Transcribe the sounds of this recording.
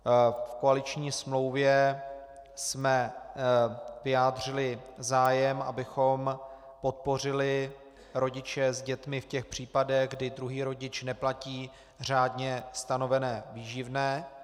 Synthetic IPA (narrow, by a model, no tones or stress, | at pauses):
fko̞alɪt͡ʃɲiːsmlo̞wvjɛ | smɛ | vɪjaːdr̝ɪlɪzaːjɛmʔa̰bɪxo̞m | po̞t̪̚po̞r̝ɪlɪ | ɾo̞ɟɪt͡ʃɛzɟɛt̪mɪfcɛxpr̝̥iːpadɛɣɡdɪdɾuɦiːɾo̞ɟɪt͡ʃnɛplaciː | r̝aːdɲɛst̪ano̞vɛnɛːviːʒɪvnɛː